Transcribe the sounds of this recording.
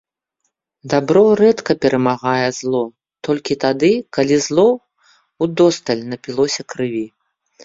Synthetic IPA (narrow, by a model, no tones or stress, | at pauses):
d̪abɾɔɾɛt̪kɐpʲɛɾʔɐmaɣajɛzlˠɔ | t̪ɔlʲkʲit̪ad̪ɨkalʲizlˠɔ | ud̪ɔst̪ɐlʲnɐpʲilˠɔsʲɐkɾɨvʲi